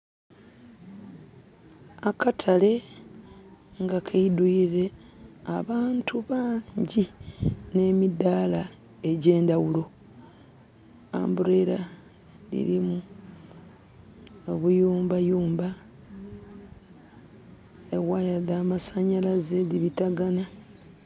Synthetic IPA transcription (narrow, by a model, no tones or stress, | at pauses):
akatʰale̞ | ŋɡakʰeiduiɾe̞aβaːntuβaːɲɲɟine̞ːmidala | e̞ɟe̞ːndawulo̞ | a̰ːmbuɾe̞ɾa | lḭɾimu | oβujuːmbajuːmba | eɣwajaðaːmasaɲalazeðiβitaɡana